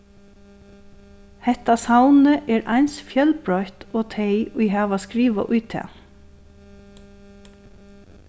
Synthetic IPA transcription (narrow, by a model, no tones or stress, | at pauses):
hɛht̪asawnəʔɛːɾʔa̰jnsfjœlpɹɔjht̪ɔːt̪ʰejʊɪjɦaːʋaskɾiːʋa̰ʔʊjt̪ʰɛ̰ː